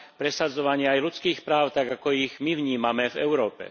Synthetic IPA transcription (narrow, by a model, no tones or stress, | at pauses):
pɾɛsad͡zɔʋaɲɪaajlut͡skiːxpɾaːʊt̪aɡakɔiɣmiʋɲiːmamɛvɛ̰ʊɾɔːpɛ̰